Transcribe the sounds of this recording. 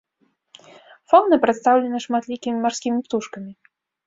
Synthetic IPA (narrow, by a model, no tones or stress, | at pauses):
fɔnːɨpɾɛt̪st̪awlʲɛnɨʂmat̪lʲikʲimʲimarskʲimʲipt̪uʂkɐmʲi